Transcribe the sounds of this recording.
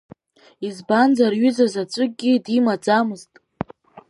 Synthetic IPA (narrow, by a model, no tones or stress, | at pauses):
izband͡zarɥʏzazat͡ʃʷʼɨɡ̚ɡʲidimad͡zamɨztʼ